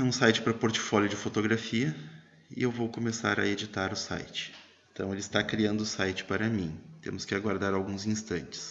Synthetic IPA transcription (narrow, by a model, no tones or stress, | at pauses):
ɛũsajt͡ʃɪ̥pɾɐpoɾt͡ʃɪ̥fɔljʊd͡ʒɪfot̪oɡɾafiɐ | ɪ̰ewvowkomesa̰ɾɐ̰ed͡ʒit̪aɾʊsa̰jt͡ʃɪ̥ | ẽnt̪ɐ̃w̃elɪst̪akɾiɐ̃nd̪ʊsajt͡ʃɪ̥paɾɐmĩt̪ḛ̃mʊskɪaɡwaɾd̪aɾawɡũzĩst̪ɐ̃nt͡ʃɪ̥s